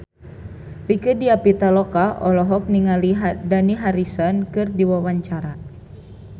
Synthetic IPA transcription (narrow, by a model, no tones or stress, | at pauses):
rikɨdiapit̪alɔkaɔlɔɦɔk̚niŋaliɦdaniɦaɾisɔnkɨrdiwawaɲt͡ʃaɾa